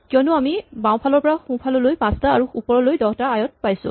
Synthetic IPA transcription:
kijɔnʊamibãw̃pʰalɔɹpɔɹaxũpʰalɔlojpãstaːɹuupɔɹɔlojdɔɦɔtaajɔt̚pajsʊ̰̃

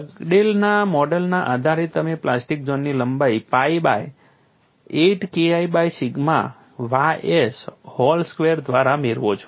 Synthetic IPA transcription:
əɡɖelnamɔɖəlnaʔad̪ʱaɾet̪əmeplasʈik̚d͡ʒonːiləmbaipaiba̰j | eʈkeaibajsiɡma̰ | ʋaeshɔlskʋeəɾd̪ʱʋaɾameɾʋot͡ʃʰo̥

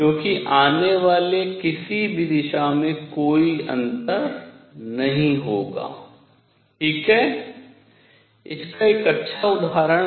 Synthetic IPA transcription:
kjõːkiʔaːneʋaːlekɪsibʱid̪ɪʃamẽkoːiɐ̰̃nt̪əɾnɐɦĩɦoːɡa̰ː | ʈʰiːkɦɛː | ɪ̰skaeːkɐtːʃʰaʊd̪aːɾəɽ

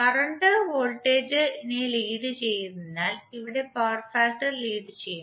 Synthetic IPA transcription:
kɐrɐɳɖɨʋoːlʈːeːd͡ʑɨineliːɖɨt͡ɕe̞jːunenːaːliʋiɽe̞paːrfaːsʈɐrliːɖɨt͡ɕejːu

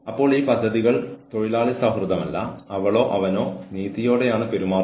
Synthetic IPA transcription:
ɐpːo̞ːɭiːpɐd̪ʱːɐðiɣɐɭt̪o̞ɻilaːɭisɐɦrɨðɐmɐlːɐ̰ɐʋɐɭo̞ːʔɐʋɐno̞ːniːt̪ːijo̞ːɽe̞jaːɳɨpeɾumaːr

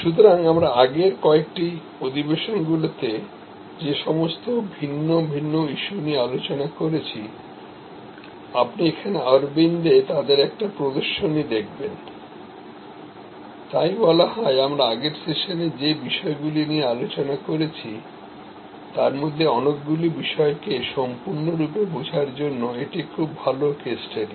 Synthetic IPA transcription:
ʃut̪̬oɾaŋamɾaaɡeɾkɔek̚ʈi | od̪ʱibeʃonɡulot̪e | d͡ʑeʃɔmost̪obʱinːobʱinːoiʃuniealot͡ɕonakoɾet͡ɕʰi | apniekʰaneaɾbind̪et̪ad̪eɾɛk̚ʈapɾod̪oɾʃonid̪ek̚ʰben | t̪ajbɔlaɦɔeamɾaaɡeɾseʃoned͡ʑebiʃɔeɡuliniealot͡ɕonakoɾet͡ɕʰi | t̪aɾmod̪ʱːeɔnokɡulibiʃɔekeʃɔmpuɾnoɾupebod͡ʑʱaɾd͡ʑonːoeʈikʰubːʱalokesʈʰeɖi

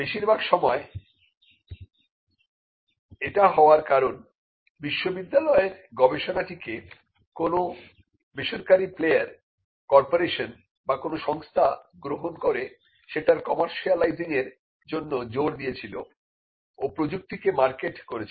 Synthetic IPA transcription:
beʃiɾbʱaɡʃɔmɔe | eʈaɦɔoaɾkaɾon | biʃːobid̪ːalɔeɾɡɔbeʃonaʈike | kono | beʃoɾkaɾiplejaɾ | kɔɾpoɾeʃon | bakonoʃɔŋst̪ʰaɡɾoɦonkoɾe | ʃeʈaɾkɔmaɾʃialajziŋeɾ | d͡ʑonːod͡ʑoɾd̪ijet͡ɕʰilo̰ | opɾod͡ʑuk̚t̪ikemaɾkeʈkoɾet͡ɕʰ

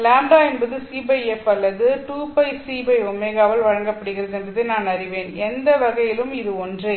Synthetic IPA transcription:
laːɳɖaːɛnbɐðɯsiːbɐɪɛfɐlːɐðɯʈuːpɐɪsiːbɐɪɔmeːɣaːʋɐlʋɐɻɐŋɡɐpːɐɽɯɣɪrɐðɛnbɐðɐnaːnɐrɪʋeːnɛnd̪ɐʋɐɣɐjɪlɯmɪðɯɔndrɯ

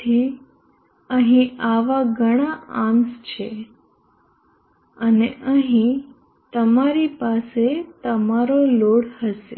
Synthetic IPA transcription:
i | əɦĩaʋaɡʱəɽ̃aãmst͡ʃʰe | əneʔəɦĩ | t̪əmaɾipaset̪əmaɾoloɽhəsḛ

